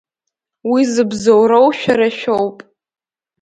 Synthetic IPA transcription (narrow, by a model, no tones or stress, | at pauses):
wizɨbzowrowʃᶣaɾaʃᶣowpʼ